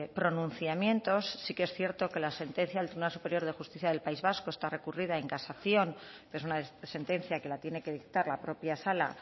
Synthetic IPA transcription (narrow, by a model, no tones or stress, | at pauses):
pɾo̞nũn̟θjamjẽ̞nt̪o̞sːikeesθje̞ɾt̪o̞ke̞lase̞nt̪e̞nθjaðlt̪ɾiβunalsupe̞ɾjo̞ɾðe̞xust̪iθjaðe̞lpaizβasko̞e̞st̪are̞kurið̞ae̞ŋkasaθjo̞npeesunase̞nt̪e̞nθjake̞lat̪je̞ne̞ke̞ðik̚t̪aɾlapɾo̞pjasala̰